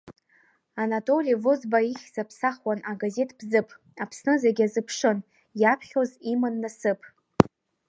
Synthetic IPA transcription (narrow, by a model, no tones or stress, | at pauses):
anatʼo̞lʲijvozbaiχʲz̥apʰsaχwanaɡaze̞tʰʼbzɨpʼ | apʰsnɨzaɡʲazɨpʰʂɨn | japʰχʲozimɨnːasɨpʼ